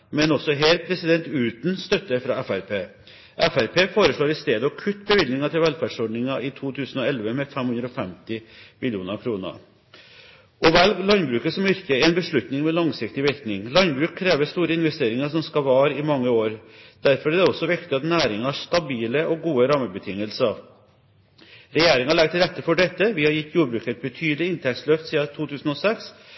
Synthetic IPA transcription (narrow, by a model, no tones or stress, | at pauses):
mɛnɔsɔɦɛɾpʰɾɛsɪd̪ɛnt̪ʉːt̪n̩st̪œt̪ːəfɾɑɛfæɾpʰeː | ʔɛfæɾpʰeːfoːɾəʂɭoːɾɪst̪eːd̪əɔkʰʉt̪ːbəʋɪd̪nɪŋɑt̪ʰɪlʋɛlfæɖʂɔɖɳɪŋɑʔɪt̪ʰuːt̪ʰʉːsənɔɛlʋəmɛfɛmhʉnd̪ɾɔfɛmt̪ɪmɪlɪuːnəɾkʰɾuːnə̰ | ʔɔʋɛllɑnbɾʉːkəsɔmɪɾkəɛnbəʂɭʉt̪nɪŋmɛlɑŋsɪkt̪ɪʋɪɾknɪŋlɑnbɾʉːkʰːɾeːʋəst̪uːɾəɪnʋɛst̪eːɾɪŋəʂɔmskɑʋɑːɾɪmɑŋːəoːɾd̪̥æɾfɔɾæd̪ɛɔsːɔʋɪkt̪ɪɑt̪næːɾɪŋɑæʂt̪ɑbiːləʔɔɡuːəɾɑːməbət̪ʰɪŋːəlsə | ɾɛjeːɾɪŋɑɭɛɡ̚t̪ʰɪlɾɛt̪ːəfɔɖɛt̪ːəʋɪhɑɾjɪt̪ːjuːɾbɾʉːkɛt̪̚bət̪ʰyːd̪əlɪɪnt̪ʰɛk̚t̪slœft̪siːɑt̪ʰuːt̪ʰʉːsn̩ɔsɛks